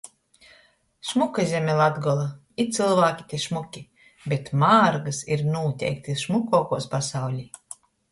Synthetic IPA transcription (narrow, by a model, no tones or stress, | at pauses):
ʃmukazʲɛmʲɛlˠad̪ɡɔlˠa | it̪sɨlˠvaːkʲi̥t̪ʲiɛʃmukʲi | bʲɛt̪maːɾɡasiɾnuːt̪ʲɛ̰jk̚t̪iʃmukɔːkuɔspasawlʲi